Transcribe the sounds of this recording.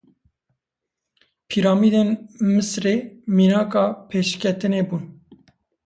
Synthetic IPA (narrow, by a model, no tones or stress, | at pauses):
pʰiɾɑːmiːd̪enmɨsɾeːmiːnɑːkɑːpʰeːʃkʲʰɛt̪ɨneːbuːn